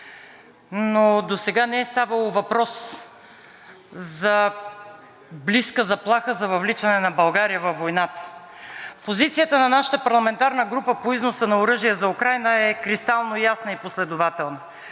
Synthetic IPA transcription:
nod̪osɛɡanɛɛst̪avəlˠovɐpɾɔs | zɐ | bliskəzɐplˠaxəzɐvɐvlit͡ʃɐnɛnɐbɐlˠɡaɾijəvɐfːojnat̪ə̥ | pozit̪sijət̪ənɐnaʃə̥t̪əpɐɾlˠɐmɛnt̪aɾnəɡɾupəpoiznosənɐʊɾɤʒijəzɐukɾajnəɛkɾist̪alˠnojasnəiposlɛd̪ʊvat̪ɛlˠnə

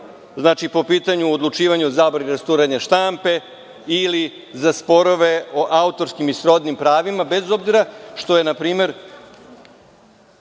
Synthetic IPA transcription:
znaːt͡ʃipo̞piːt̪aɲuod̪lˠut͡ʃiːʋaɲuzaːbɾaniɾast̪uːɾeɲeʃt̪ampe̞ | ili | zaspo̞ɾo̞ʋe̞oʔaut̪o̞ɾskimisɾo̞d̪nimpɾaːʋimabe̞zo̞bziɾaʃt̪o̞jenapɾiːme̞ɾ

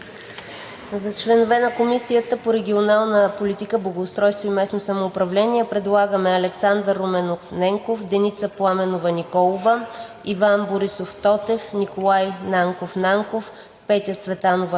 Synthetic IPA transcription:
zɐt͡ʃlɛnovɛnɐkomisiət̪əpoɾɛɡʲionalˠnəpolit̪ikəblˠɐɡoːst̪ɾɔjst̪voimɛsnosɐmoːpɾɐvlɛnʲiɛpɾɛd̪lˠaɡəmɛɐlɛksand̪əɾːomɛnofnɛŋkofd̪ɛnit̪səplˠamɛnovənikɔlˠovə | ivanboɾisoft̪ɔt̪ɛfnikolˠajnaŋkofnaŋkof | pɛt̪jət̪svɛt̪anovə

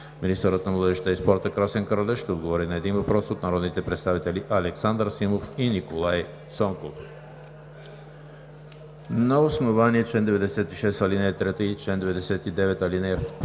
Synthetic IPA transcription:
minist̪əɾət̪nɐvlˠəd̪ɛʃt̪əispɔɾt̪əkɾasɛnkɾəlʲɛʃt̪ɛod̪ɡovɔɾinɐɛd̪invɐpɾɔsot̪nɐɾɔd̪nit̪ɛpɾɛt̪st̪avit̪ɛliʔɐlɛksand̪ɾsimofinikolˠaj | sɔŋkof | nəosnovaniɛt͡ʃlɛnd̪ɛvɛd̪ɛsɛt̪iʃɛst̪ɐlinɛt̪ɾɛt̪əit͡ʃlɛnd̪ɛvɛd̪ɛsɛt̪id̪ɛvɛt̪ɐlinɛ

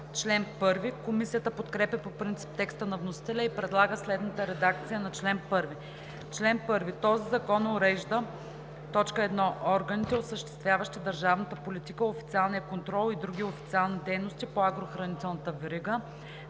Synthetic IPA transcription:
t͡ʃlɛnpɤɾvikomisijət̪əpot̪kɾɛpɛpopɾint̪si̥p̚t̪ɛkst̪ənɐvnosi̥t̪ɛlʲəipɾɛd̪lˠaɡəslɛd̪nət̪əɾɛd̪ak̚t̪sijənɐt͡ʃlɛnpɤɾvi | t͡ʃlɛnpɤɾvit̪ɔzizɐkɔnoɾɛʒd̪ə | t̪ɔt͡ʃkəɛd̪nɔʔɔɾɡənit̪ɛosəʃt̪ɛ̥st̪vʲjavəʃt̪id̪əɾʒavnət̪əpolit̪ikəofi̥t̪sialˠnijəkont̪ɾɔlˠid̪ɾuɡ̟ʲiofit̪sialˠnid̪ɛjnost̪ipoaɡɾoxɾɐnit̪ɛlˠnət̪əvɛɾiɡə

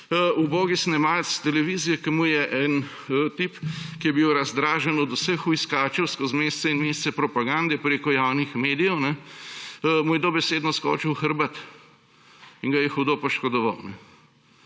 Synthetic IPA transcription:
uboːɡisnɛmalst̪ɛlɛʋizijɛkəmujɛʔɛn | t̪ipkijɛbiwɾɐzd̪ɾaːʒɛnɔd̪usəxuiskaːt͡ʃɛwskɔzmeːst̪sɛinmeːst̪sɛpɾɔpaɡand̪ɛpɾeːkɔjawnixmeːd̪ijɛwnɛ | mujɛd̪oːbɛseːd̪nɔskɔ̰ːt͡ʃɛwxəɾbat̪ | iŋɡajɛxud̪opɔʃkɔd̪ɔʋa̰wnɛ

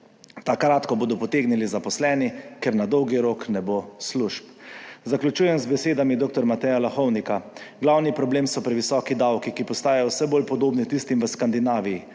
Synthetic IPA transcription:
t̪akɾaːt̪kɔboːd̪ɔpɔt̪eːɡnilizapɔslɛːnikɛɾnad̪ɔwɡiɾoknɛboːsluʃpzaklʲut͡ʃuːjɛmzbɛseːd̪amid̪oːk̚t̪ɔɾmat̪ɛjalaxɔwnikaɡlawnipɾɔbleːmsɔpɾɛʋisɔːkid̪awkikipɔst̪aːjajɔwsɛboːlpɔd̪oːbnit̪ist̪imʋəskand̪inaːʋiji

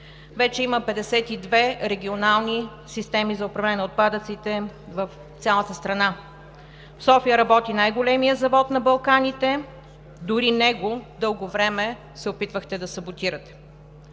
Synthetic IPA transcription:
vɛt͡ʃɛiməpɛd̪ɛsɛt̪id̪vɛɾɛɡʲionalˠni | sist̪ɛmizɐopɾɐvlɛnɛnɛot̪̚pad̪ət̪sit̪ɛvəf | t̪sʲalˠət̪əst̪ɾɐna | fsɔfijəɾɐbɔt̪inajɡolɛmijəzɐvɔt̪nɐbɐlˠkanit̪ɛ | d̪ʊɾinɛɡod̪ɤlˠɡovɾɛmɛ | sɛopit̪vəxt̪ɛd̪ɐsɐbot̪iɾət̪ɛ̥

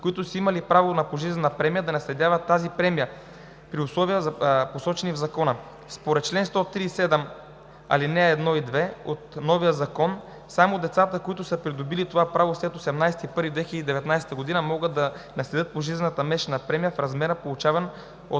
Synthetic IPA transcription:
koit̪ʊsəimɐlipɾavonɐpoʒizɛnɐpɾɛmijəd̪ɐnɐslɛd̪ʲjavɐt̪ːazipɾɛmijə | pɾiʊslˠɔvijəzɐposɔt͡ʃɛnivzɐkɔnə | spoɾɛt̪̚t͡ʃlɛnst̪ɔt̪ɾiːsɛd̪ɛm | ɐ̰linɛːd̪nɔid̪vɛot̪nɔvijəzɐkɔn | samod̪ɛt̪sat̪əkoit̪ʊsəpɾid̪ʊbilit̪ovapɾavoslɛt̪osɛmnajsɛ̥t̪ipɤɾvid̪vɛxʲilʲəd̪id̪ɛvɛt̪najsɛ̥t̪əɡod̪inəmɔɡət̪ːɐnɐslɛd̪ət̪̚poʒizɛnət̪əmɛʃɛnɐpɾɛmijəfɾɐzmɛɾəpolˠut͡ʃavɐn | o

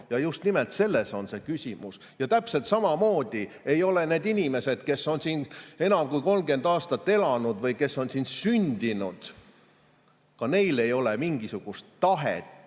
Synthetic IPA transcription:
jɑjust̪nimelt̪se̞lːe̞so̞nse̞kysʲimus | jɑt̪æpse̞lt̪sɑmɑmo̞ːd̪̥ie̞jo̞le̞ne̞ːd̪inʲime̞se̞d̪̥ke̞sːo̞nsiːne̞nɑmkujko̞lmɡe̞nd̪̥ɑːst̪ɑt̪ːe̞lɑnud̪vɤjke̞sːo̞nsinsynʲd̪̥inud̪̥ | kɑne̞jle̞jo̞lemiŋɡ̥isuɡ̥ust̪ːɑɦḛt̪

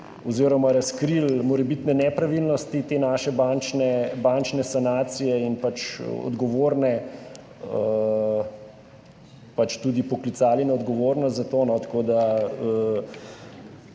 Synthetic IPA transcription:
ɔziɾɔmaɾaskɾilmɔɾɛbit̪nɛnɛpɾaʋilnɔst̪it̪eːnaːʃɛbant͡ʃnɛbant͡ʃnɛsanaːt̪sijɛinpat͡ʃɔ̰d̪ɡɔʋoːɾnɛ | ə | pat͡ʃt̪ud̪ipɔklit̪saːlinaɔd̪ɡɔʋoːɾnɔst̪zat̪oːnɔt̪ḁkod̪aə

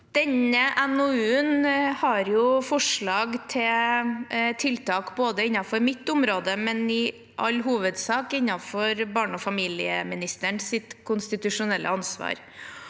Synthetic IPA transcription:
d̪̥ɛɲəʔɛnʊʉːənhɑɾjʊfɔʂɭɑːɡt̪ʰɪ | t̪ʰɪlt̪ʰɑːkboːd̪əɪɲːɑfɔɾmɪt̪ːʊmɾoːd̪əmɛnɪ | ʔɑ̰lːɦuːʋəd̪sɑːkɪɲːɑfɔɾbɑːɳɔfɑmiːlɪəmɪnɪst̪əɳsɪt̪kʰʊnst̪ɪt̪ʉʂʊnɛlːʔə̰ɑnsʋɑ̰ːɾ

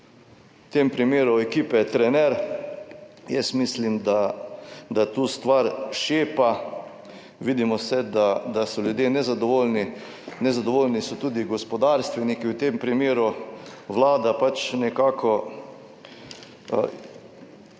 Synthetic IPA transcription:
wt̪empɾimeːɾuɛkiːpɛt̪ɾɛnɛɾ | jɛsmislimd̪a | d̪at̪uːst̪ʋaɾʃeːpa | ʋid̪imɔsɛd̪ad̪asɔljud̪jeːnɛzad̪ɔʋolni | nɛzad̪ɔʋoːlnisɔt̪uːd̪iɡɔspɔd̪aɾst̪ʋɛnikiwt̪empɾimeːɾuʋlaːd̪apat͡ʃnɛkakʰɔ

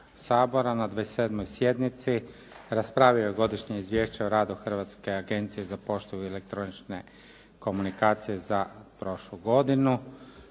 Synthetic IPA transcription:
saːbo̞ɾanad̪ʋaese̞ːd̪mojsje̞d̪nit̪si | ɾaspɾaːʋiojeɡo̞d̪iʃɲeizʋje̞ːʃt͡ɕeoɾaːd̪uxr̩ʋat̪ske̞aɡe̞nt̪sije̞zapo̞ʃt̪ojuele̞k̚t̪ɾo̞nit͡ʃne | ko̞munikaːt̪sije̞zapɾo̞ʃluɡo̞d̪inu

